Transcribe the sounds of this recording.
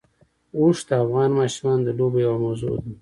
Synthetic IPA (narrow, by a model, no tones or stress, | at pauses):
uʂd̪əafɣɑnmɑʃmɑnd̪əlobejawamozo̰d̪i